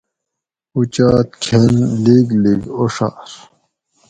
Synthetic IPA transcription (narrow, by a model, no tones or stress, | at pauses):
ut͡ɕaːt̪̚kʰenliɡliɡoʂa̰ɾ